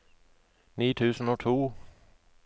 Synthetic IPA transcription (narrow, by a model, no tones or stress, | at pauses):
niːt̪ʰʉːsn̩oːt̪ʰuː